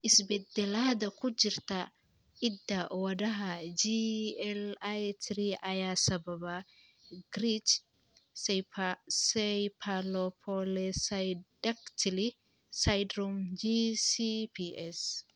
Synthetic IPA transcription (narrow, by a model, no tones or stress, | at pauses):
ɪsbɛd̪ɛlaːd̪ɐkʊd͡ʒiɾt̪ɐ | ʔid̪ːɐwɐdɐɦɐd͡ʒiɛlajt̪ʰɾiʔɐjaːsɐbɐba | ɡɾit͡ʃ | sɛpasɛjpʰalɔpʰɔlɛsdɐkt̪ʰli | sajdɾɔmd͡ʒisipiʔɛs